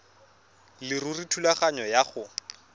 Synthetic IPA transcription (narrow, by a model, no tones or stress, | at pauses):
lɪrʊritʰulaχaɲɔjaχʊ